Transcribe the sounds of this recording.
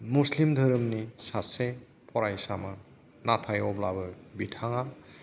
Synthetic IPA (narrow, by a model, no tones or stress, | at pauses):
muslimdʱɯɾɯmnisase | pʰɔɾajsamaɾ | napʰajɔblabɯbitʰaŋa